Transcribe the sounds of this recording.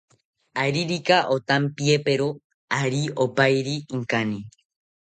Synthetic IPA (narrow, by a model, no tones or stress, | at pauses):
aɾiɾikaʔot̪ampiepeɾo | aɾiopajɾiːŋkani